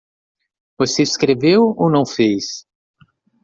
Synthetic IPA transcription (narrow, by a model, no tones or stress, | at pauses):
voseiskɾevewonɐ̃w̃fejs